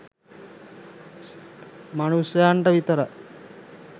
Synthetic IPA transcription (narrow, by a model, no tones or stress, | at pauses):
manusjɐjaɳʈəʋit̪əɾə